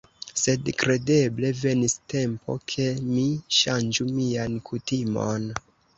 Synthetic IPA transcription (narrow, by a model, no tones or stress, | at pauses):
se̞dkɾe̞de̞ble̞ve̞niste̞mpo̞̰kʰe̞miʃand͡ʒumiankʰutimo̞̰n